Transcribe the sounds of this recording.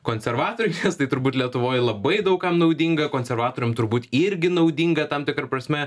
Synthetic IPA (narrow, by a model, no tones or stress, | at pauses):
koːnʲsʲɛɾʋɑːt̪oːɾʲɛnʲɛst̪ɐɪt̪ʊɾbuːt̪ʲlʲiɛt̪ʊʋoːjlˠɐbɐɪd̪ɐʊkkɐmnɐʊd̪ʲiŋɡɐkoːnʲsʲɛɾʋɑːt̪oːɾʲʊmt̪ʊɾbuːt̪ɪɾʲɡʲɪnɐʊdʲiːŋɡɐt̪ɐmt̪ʲɪkɾɐpɾɐsʲmʲɛ